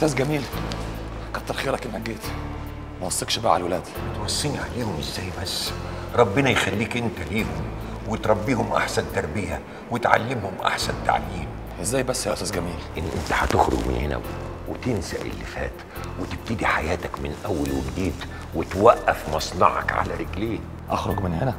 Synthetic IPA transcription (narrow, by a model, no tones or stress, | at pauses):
ʔʔst̪æːsɡæmiːl | kɑt̪ːɑɾxeːɾɑkɪnhæɡːeːt̪ | mæwɑsˤːekʃbaʕalwelæːd̪it̪mɑsˤːiːniʕaleːhʊmʔɪzːæːjbæsː | ɾˤɑbːɪnæjxælːiːkʔɪnt̪æliːhʊm | wɪt̪ɾˤɑbːiːhʊmʔa̰ħsænt̪ɑɾˤbɪjæ | wɪt̪ʕa̰lːɪmhʊmʔa̰ħsænt̪a̰ʕjiːm | ʔɪzːæːjbæsːæʔæsæːsɡæmiːlʔɪnːʔɪnt̪æ̥ħat̪ɪxɾʊ̰ɡmɪ̰nhɪnæ̰ | wɪt̪ɪnsæ̰ʔɪ̰lːifæ̰ːt̪ | wɪt̪ɪb̚t̪ɪd̪iħajæːt̪ækmɪnʔæwːælwæɡd̪iːt̪ | wɪt̪wæʔːæfmɑsˤnɑʕɑ̰kʕa̰læɾɪɡleːh | ʔɑxɾoɡmɪnhenæ